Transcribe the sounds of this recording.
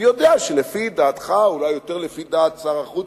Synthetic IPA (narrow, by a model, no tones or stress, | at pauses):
jod̪eaʃelefid̪aːt̪χaulajːo̞t̪eʁlefid̪aːt̪saʁaχu